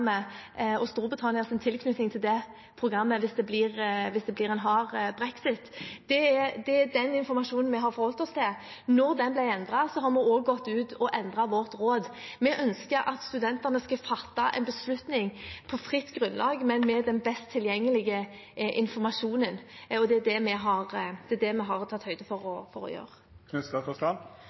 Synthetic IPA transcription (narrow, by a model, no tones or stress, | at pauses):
mːəɔst̪uːɾbɪt̪ʰɑnɪəsɪnt̪ʰɪlkʰnʉt̪nɪŋt̪ʰɪld̪ɛ | pʰʁʊɡʁɑmːəʋɪsd̪ɛbliːʁʋɪsd̪ɛbliːɾɛnɦɑːɾbɾɛksɪt̪d̪̥ɛɛd̪ɛd̪ɛnɪnfɔɾmɑʂuːnənmɛɦɑɾfɔɾhɔlt̪ɔst̪ʰɪl | nɔɾd̪ɛnblæɪɛnd̪ʁɑsɔɦɑɾmɛoːɡɡɔt̪ːʉːt̪ɔʔɛnd̪ʁɑʋɔɾt̪ɾoːd̪mɛʔœnskəɾʔɑt̪st̪ʉd̪ɛnt̪əʁnəskɑfɑt̪ːɑʔɛ̰ɪnbəslʉt̪nɪŋpʰɔfʁɪt̪ːɡɾʉnlʔɑːɡmɛnmɛd̪ɛnbɛst̪ʰːɪljɛŋːəlɪɡə | ʔɪnfɔɾmɑʂuːnənɔd̪ɛæd̪ɛmɛɦɑʁd̪̥ɛd̪ɛmɛɦɑɾt̪ʰɑt̪ːhœʏd̪əfɔɾɔfɔɾɔ̰jø̰ːɾə | kʰnɛst̪ɑt̪ɔskɑl